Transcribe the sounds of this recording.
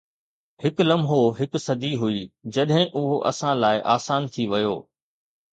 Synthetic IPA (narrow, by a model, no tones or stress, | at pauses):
hɪklɐmɦoɦɪksɐd̪ʱiɦuiːd͡ʑɐɗɦɪ̃ʔʊɦoʔɐ̰sãlaːɪʔaːsaːnt̪ʰiʋɐjoː